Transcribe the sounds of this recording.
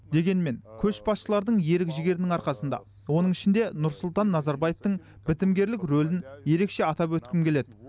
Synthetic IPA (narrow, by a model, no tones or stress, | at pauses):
d̪e̞ɡʲe̞nme̞ŋkʲʰɵʃbɑsʃəlˠɑɾd̪əɴje̞ɾɪkʒɪɡʲe̞ɾɪnɪŋɑɾqɑsənd̪ɑ̰ | wo̞nəɴɪʃɪnd̪e̞nʊɾsʊlˠt̪ɑnːɑzɑɾbɑjeft̪əɴ | bɪt̪ɪmɡʲe̞ɾlɪkʲɾolɪnje̞ɾe̞kʃe̞ɑt̪ɑpwɵt̪kʲɪmkʲʰe̞led̪ɪ